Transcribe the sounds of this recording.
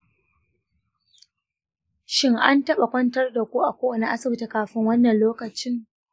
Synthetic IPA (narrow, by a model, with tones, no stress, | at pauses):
ʃɪ˦ŋʔa˦ntɐ˦ɓa˨kʷɐ˦ntɐ˦rda˨kʷuː˦ʔa˨kʷoː˦ʔa˨na˦ʔa˦sɐ˨bɪ˦ta˨kaː˨ɸɪ˦ŋwɐ˦nːɐ˨nloː˦kɐ˨t͡ʃɪ˦ŋ